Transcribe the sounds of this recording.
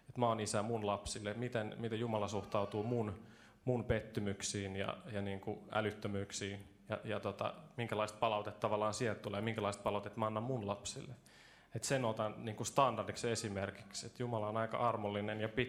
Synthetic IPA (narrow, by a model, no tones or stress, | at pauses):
et̪mæonisæmunlɑpsilːemit̪enmit̪ejumɑlɑsuht̪ɑut̪uːmun | munpet̪ːymyksiːnjɑ̰jɑniːŋkuæ̰lyt̪ːømyːksiːn | jɑ̰jɑt̪ot̪ɑ̰miŋkælɑist̪̚pɑlɑut̪et̪ːtɑʋɑlːˑɑːnsiɛlt̪t̪ːuleːmiŋkælɑist̪̚pɑlɑut̪et̪mɑɑnːɑmmunlɑpsḭlːe | et̪senot̪ɑnniːŋkust̪ɑndɑrdiksesimerki̥kset̪jumɑlɑonɑikɑ̰ʔɑrmolːinenjɑpi